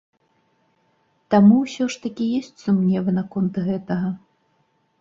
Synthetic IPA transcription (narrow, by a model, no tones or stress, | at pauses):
t̪amuwsʲɔʂt̪ɐkʲijɔsʲt͡sʲsumnʲɛvɨnɐkɔnt̪ɣɛt̪ɐɣɐ